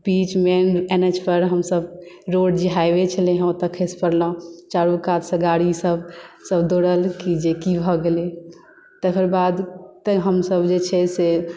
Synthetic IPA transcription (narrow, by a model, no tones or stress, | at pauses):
pit͡ʃmenened͡ʒpəɾɦəmsəbɾoɖd͡ʒiɦaebet͡ʃʰəleɦə̃ot̪əkʰespəɾlɔ̃t͡ʃaɾũkat̪sə̃ɡaɽisəbsəbd̪oɽəlkid͡ʒekibʱɔɡeli | t̪əkʰəɾbad̪t̪əɦəmsəbd͡ʒet͡ʃʰɛse